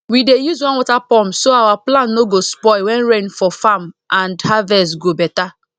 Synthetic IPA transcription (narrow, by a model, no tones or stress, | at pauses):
widejuzwɔ̃nwɔtapɔ̃msoawaplãnːoɡospɔɪwɛ̃nɾẽnfɔfamãndhavɛsɡobɛta